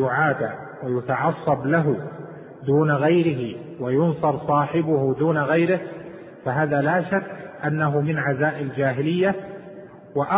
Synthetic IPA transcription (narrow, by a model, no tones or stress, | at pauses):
ʊʕaːd̪a | wajʊt̪ɑʕɑsˤːɑblaɦʊ | d̪uːnaɣajɾɪɦɪ | wajʊnsˤɑɾˤsˤɑːħɪbʊhd̪uːnaɣajɾɪh | faɦaːðalaːʃakːʔanːaɦʊmɪnʕazaːʔɪld͡ʒaːɦɪlɪjːa | wɪʔɑ